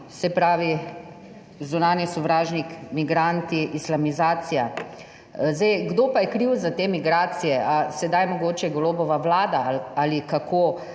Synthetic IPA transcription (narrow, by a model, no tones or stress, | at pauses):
sɛpɾaːʋi | zunaːnisɔʋɾaːʒnikmiɡɾant̪iʔislamizaːsija | zd̪ɛjɡd̪oːpajɛkɾiwzat̪eːmiɡɾaːt̪sijɛʔasɛd̪ajmɔɡoːt͡ʃɛɡoloːbɔʋaʋlaːd̪aalikakʰoː